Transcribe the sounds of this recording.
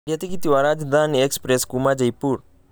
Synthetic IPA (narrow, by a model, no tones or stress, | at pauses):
ɾjɐt̪ikit̪iʋaɾad͡ʒd̪aːnekspɾeskumad͡ʒɐjpuɾ